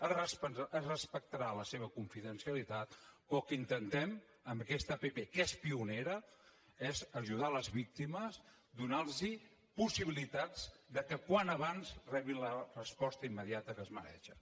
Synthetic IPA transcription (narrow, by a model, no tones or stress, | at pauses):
ərəspəərəspək̚t̪ɾaləseβ̞əkuɱfiðənsiəlit̪at̪pɔkəint̪ənt̪ɛm | əmbəkɛst̪əpepekɛspiuneɾə | ɛzəʒuð̞aləzβik̚t̪iməz | d̪unalzi | pusiβilit̪ad͡zd̪əkəkwanəβanzrɛβinlərəspɔst̪əimːəðiat̪əkəzmə̰ɾɛ̰ʃə